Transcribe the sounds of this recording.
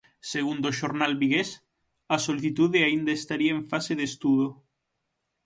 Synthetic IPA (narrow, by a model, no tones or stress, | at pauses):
seɣ̞und̪oʃoɾnalβiɣes | ɐsoliθit̪uðeaind̪aest̪aɾiaẽɱfaseðest̪uðo